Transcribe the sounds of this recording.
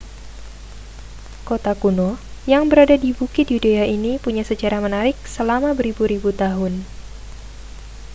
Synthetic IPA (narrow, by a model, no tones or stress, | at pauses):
kot̪akunojaŋbəɾadadibukɪt̪̚judeainipuɲasət͡ʃaɾamənaɾɪk̚səlamabəɾibuɾibut̪aɦʊn